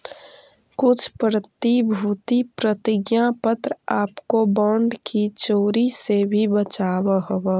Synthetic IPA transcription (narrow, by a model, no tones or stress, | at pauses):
kʊt͡ʃʰpɾət̪ibʱuːt̪ipɾət̪ɪɡjapət̪ɾaːpkobɔːɳɖkit͡ʃoːɾisebʱibət͡ʃaːwəɦəwə